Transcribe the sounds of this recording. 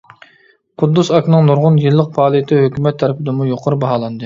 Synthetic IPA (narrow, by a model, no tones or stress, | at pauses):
qʰʊd̪ːusɑkʲʰnɨŋnuɾʁʊnjɨlˠːəq̚pʰɑːlˠijɪt̪ʰɪhøkʲymɛt̪ʰːɛɾɪpɪd̪ɨmujoqʰəɾɨbɑɦɑːlˠɑnd̪ɨ